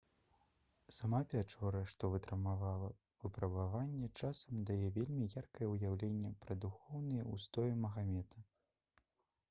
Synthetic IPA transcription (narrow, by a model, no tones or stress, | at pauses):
samapʲat͡ʂɔɾɐʂt̪ɔvɨt̪ɾɐmavalˠɐ | vɨpɾɐbavanʲːɛt͡ʂasɐmd̪ajɛvʲelʲmʲijarkɐjɛujawlʲenʲːɛpɾɐd̪uxɔwnɨjɛust̪ɔjɛmɐɣamʲɛt̪ʰɐ